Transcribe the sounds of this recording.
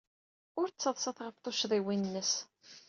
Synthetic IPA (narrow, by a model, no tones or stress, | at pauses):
ʊɾt͡sːəðˤsɑθʁəft̪ˤoʃðˤiwinnːəs